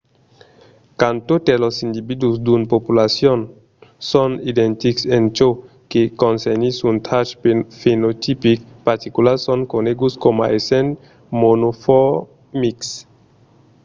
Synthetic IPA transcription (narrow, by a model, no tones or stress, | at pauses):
kant̪ot̪elosind̪ibid̪usd̪unpopulasjon | sɔnid̪ent̪iksent͡ʃo | kekonsenisunt̪ʰat͡ʃfenot̪ipikpaɾt̪ikulaɾsɔŋkoneɡuskoma̰ʔesen | monofɔ | miks